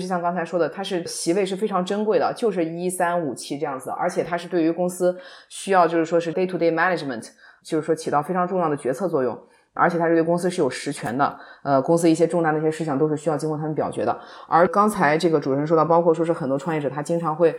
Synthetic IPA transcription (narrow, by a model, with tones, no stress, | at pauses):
ʂɻ̩˥˩ɕjɑ˥˧ŋkɑ˥ŋt͡sʰʂwɔ˥d̪ə˨t̪ʰa˥ʂɻ̩˥˩ɕi˧˥we˥˧ɪʂɻ̩˥˩fe˥ɪʈ͡ʂʰɑ˧˥ŋʈ͡ʂə˥nkwe˥˩ɪd̪ə˩t͡ɕjo˥˧ʊʂ̬ɻ̩˥˩i˥sa˥nu˨˩t͡ɕʰi˥ʈ͡ʂɤ˥˧jɑ˥˩ŋd͡zɹə̰˩ʔə̰˞˧˥t͡ɕʰjɛ˨˩t̪ʰa˥ʂɻ̩˥˧t̪we˥˩ɪy˧˥kʊ˥ŋsɹ̩˥ɕy˥jɑ˥˧ʊt͡ɕjo˥˧ʂɻ̩˥˩ʂwɔ˥ʂɻ̩˥˩t̪e˥ɪt̪ʰu˥˩t̪e˥˧ɪma˥˧na˨˩ʈ͡ʂmə̰˨˩ntʰt͡ɕjo˥˧ʊʂɻ̩˥˩wɔ˥t͡ɕʰi˨˩ɑ˥˩ʊfe˥ɪʈ͡ʂʰɑ˧˥ŋʈ͡ʂʊ˥˧ŋjɑ˥˩d̪ə˩t͡ɕɥɛ˧˥t͡sʰɤ˥˧t͡swɔ˥˧jʊ̰˥˩ŋ | ʔə̰˞˧˥t͡ɕʰɛ˨˩t̪ʰa˥˩˧kʊ˥ŋsɹ̩˥ʂɻ̩˥˩jo˨˩ʊʂɻ̩˧˥t͡ɕʰɥɛ̰˧˥nd̪ə̰˧ə˧kʊ˥ŋsɹ̩˥i˥˩ɕjɛ˥ʈ͡ʂʊ˥˧ŋa˥˩d̪ə˩i˧˩ɕjɛ˥ʂɻ̩˥˧ɕ̬ʰɑ˥˩ŋt̪o˥ʊʂɻ̩˥˩ɕy˥jɑ˥˧ʊt͡ɕi˥ŋʰɔ˥˩t̪ʰa˥m˧˨npjɑ˨˩ʊt͡ɕɥɛ̰˧˥d̪ə̰˧ə˞˧˥kɑ˥ŋt͡sʰa˧˥ɪʈ͡ʂɤ˥˩ɡə˩ʈ͡ʂu˨˩ə˧˥nʂ̬ɔ˥d̪ɑ˥˩ʊpɑ˥ʊkʰwɔ˥˩ʂwɔ˥ʂ̬ɻ̩˥˩xə˨˩nt̪wɔ˥ʈ͡ʂʰwɑ˥˧ŋjɛ˥˩ʈ͡ʂɤ˨˩t̪ʰa˥t͡ɕi˥ŋʈ͡ʂʰɑ˧˥ŋxwe˥˩ɪ